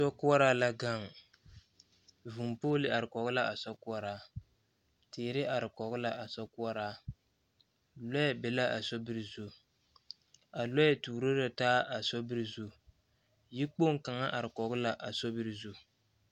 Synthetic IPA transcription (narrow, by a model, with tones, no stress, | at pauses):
sɔ˦kʊ˦ɔ˦ɾaː˦la˦ɡa˦˨ŋ˨ | vu˨mpoː˦lɪ˨a˨ɾɪ˨kɔ˨ɣʊ˦la˦a˨sɔ˦kʊ˦a˦ɾaː˦ | teː˨ɾɪ˦ʔa˨ɾɪ˨kɔ˨ɣʊ˦la˨ʔa˨sɔ˦kʊ˦a˦ɾaː˦ | lɔ˦ɛ˦bɪ˨la˦ʔa̰˨sɔ˦bɪ˦ɾzo˦ | a˨lɔ˦jɛ˨tuː˨ɾo˦ɾa˨taː˦ʔa˨sɔ˦bɪ˦ɾzo˦ | ji˦k͡po˦ŋ˦ka˨ŋa˦ʔa˨ɾɪ˨kɔ˨ɣʊ˦la˦ʔa˨sɔ˦bɪ˦ɾzo˦